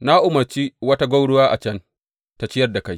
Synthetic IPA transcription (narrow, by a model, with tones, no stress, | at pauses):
na˦ʔʊ˨mɐ˨ɾt͡ʃi˦wɐ˦ta˦ɡʷa˦wɽʊ˦waː˦ʔa̰˨t͡ʃɐ˦n | ta˨t͡ʃɪ˦jɐ˦rda˨ka˦j